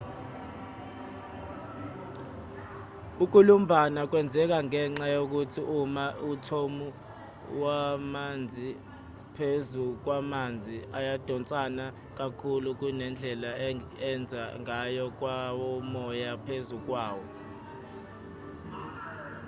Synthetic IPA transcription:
uk̬ulum̩bʱanak̬wɛnd͡zʱɛk̬aŋɛŋ͡ǁajok̬utʰiʔumautʰomu | wamand͡zʱi | pʰezuk̬wamand͡zʱiajad̥ʱɔnt͡sʼana | k̬akʰuluk̬unɛnd͡ɮʱɛlaɛnd͡zʱaŋajɔk̬wawɔmɔjapʰezuk̬waːwɔ

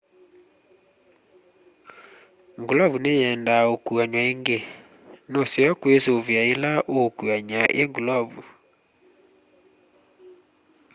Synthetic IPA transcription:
ŋɡulɔβunejɛndaokuaɲwaeŋɡe | nosɛɔkwesovjaelaʔokuaɲaʔeŋɡulɔβu

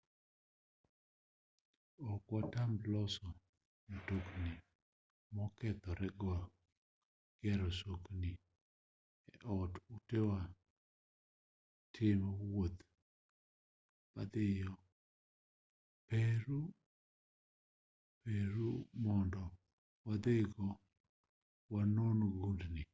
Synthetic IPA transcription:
ɔkwatamblɔsɔ | notokni | mɔkɛt̪ɔɾɛɡa | kɪɛɾɔsokni | ɛʔɔtutewa | tʰɪmɔwot̪ | pad̪ɪjɔ | peɾu | peɾumɔndɔ | wad̪eɡɔ | wanonoɡudnɪ

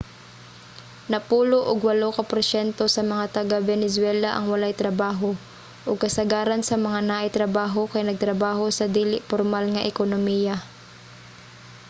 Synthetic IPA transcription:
nɐpuːloʔʊɡwɐlokɐpoɾsɛnt̪o̞sɐmɐŋat̪ɐɡabɛnɛs̬wɛlɐʔɐ̰ŋwɐlajt̪ɾɐbaːɦo̞ | ʔʊɡ̚kɐsɐɡaːɾɐnsɐmɐŋanaʔɐjt̪ɾɐbaːɦo̞kɐjnɐɡ̚t̪ɾɐbaːɦo̞sɐd̪iːlɪʔpoɾmalŋɐʔɛkonomiːjɐ

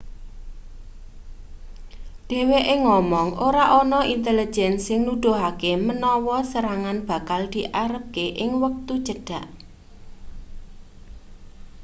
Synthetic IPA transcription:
ɖ̪̥e̤weʔɪŋːɔmɔŋʔoɾaʔɔnɔint̪elid͡ʒʒɛnsɪŋnud̪̥o̤ɦakemənɔwɔsəɾaŋanb̥ä̤kald̪̥iʔaɾəp̚keʔɪŋwək̚t̪u̥ʒ̥əɖ̥a̤ʔ

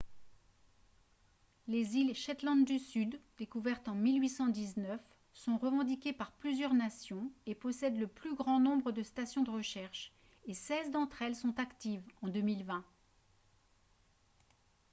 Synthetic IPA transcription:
lezilʃɛt̪lɑ̃d̪d̪ysyd̪d̪ekuvɛʁt̪ɑ̃milɥisɑ̃d̪iznœf | sɔ̃ʁəvɑ̃d̪ikʲepaʁplyzjœʁnasjɔ̃epɔsɛd̪ləplyɡʁɑ̃nɔ̃bʁəd̪əst̪asjɔ̃d̪əʁəʃɛʁʃ | esɛzd̪ɑ̃t̪χɛlsɔ̃t̪akt̪ivɑ̃d̪ømilvɛ̃

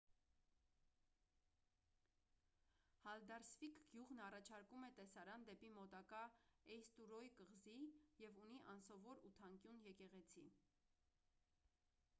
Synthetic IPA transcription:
hɑld̪ɑɾsfikɡ̥juʁnɑrɑt͡ʃʰɑɾkumɛt̪ɛsɑɾɑnd̪ɛpimɔt̪ɑkɑɛjst̪uɾɔjkəʁzijɛvuniʔɑnsɔvɔɾut̪ʰɑŋkjunjɛkɛʁɛt͡sʰi

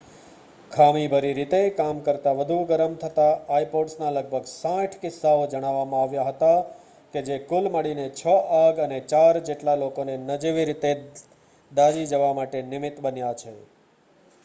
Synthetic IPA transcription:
kʰamibʱəɾiɾit̪ekamkəɾt̪aʋəd̪ʱuɡəɾəmt̪ʰət̪aaipoɖsnaləɡ̚bʱəɡsãʈʰkɪsːaod͡ʒəɽ̃aʋːamãaʋjaɦət̪a | ked͡ʒekulməɽinet͡ʃʰəʔaɡənet͡ʃaɾd͡ʒeʈlalokonenəd͡ʒiʋiɾit̪e | d̪ad͡ʒid͡ʒəʋamaʈenɪmɪt̪bənjat͡ʃʰe

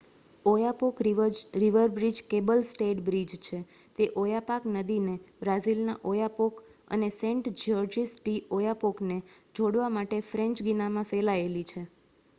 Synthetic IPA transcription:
ojapokɾiʋəɾbɾid͡ʒkebəlsʈeʈbɾid͡ʒt͡ʃʰe | t̪eʔojapaknəd̪inebɾazilnaʔojapok | ə̰nesẽɳʈd͡ʒəɾd͡ʒisʈiojapokned͡ʒʱoɽʋamaʈefɾɛ̃ɲt͡ʃɡinamãfelaelit͡ʃʰe

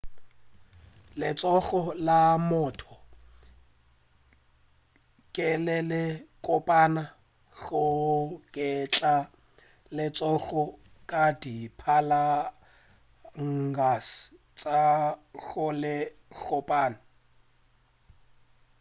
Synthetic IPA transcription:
lɪt͡sʼɔɣɔlamʊtʰɔ | kʼɪlɛlɪkʼʊpʼana | ɣʊkʼɪt͡ɬʼa | lɪt͡sʼɔɣɔ | kʼadipʰala | ŋ̩ɡasɪ̥ | t͡sʼaɣʊlɪɣʊpʼaːna

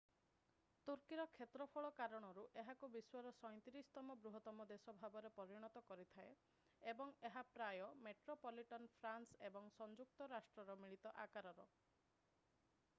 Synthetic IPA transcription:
t̪uɾkiɾɔkʰet̪ɾɔpʰɔɭɔkaɾɔɽ̃ɔɾuʔeɦakubiswaɾɔsɔj̪̃t̪iɾisɔ̥t̪ɔmɔbɾuɦɔt̪ɔmɔd̪esɔbʱabɔɾepɔɾiɽ̃ɔt̪ɔkɔɾit̪ʰae | ebɔŋeɦapɾajɔmeʈɾopɔliʈɔnpʰɾansebɔŋsɔnd͡ʒuk̚t̪ɔɾasʈɾɔɾɔmiɭit̪ɔʔakaɾɔɾɔ

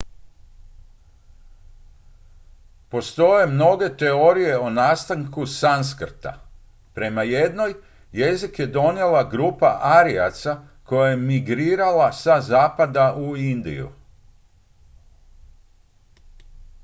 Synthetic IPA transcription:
po̞st̪o̞je̞mno̞ɡe̞t̪eoɾije̞o̞naːst̪aŋkusans̬kr̩t̪a̰ | pɾe̞maje̞d̪no̞j | je̞zikje̞d̪o̞nje̞laɡɾuːpaʔaɾia̰t̪sa | ko̞jaje̞miɡɾiːɾalasazaːpad̪aʔuind̪ḭjṵ

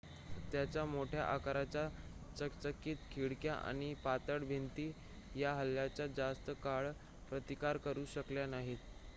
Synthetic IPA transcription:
t̪jat͡ɕjamoʈʰja̰ʔakaɾat͡ɕja | t͡səkt͡səkːiːt̪kʰiɽkjaʔa̰ɽ̃ipat̪əɽbʱint̪iː | jaɦəlːjat͡ɕjad͡zast̪əkaɭ | pɾət̪ikaɾkəɾuːɕəkljanaɦi

